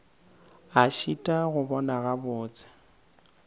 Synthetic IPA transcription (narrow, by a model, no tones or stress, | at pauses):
aʃitʼaɣʊbɔnaɣabʊːt͡sʼɪ̥